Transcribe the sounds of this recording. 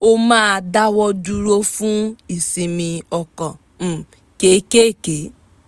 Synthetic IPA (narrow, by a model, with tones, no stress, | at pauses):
o˦maː˦˨da˦wɔ˦d͡ʒu˦ɾo˦fu˦i˨si˨mi˨ɔ˨kɔ˨ | m̩˨ | ke˨˦ke˦˨ke˨